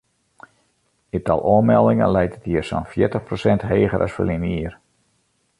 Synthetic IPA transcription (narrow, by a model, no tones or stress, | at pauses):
itɑ̰lˠoənmɛlˠdɪŋə̰nlɛjtətiərso̰nfjɪtəxprosɛntɦeːɣəɾʔa̰sfə̰liniər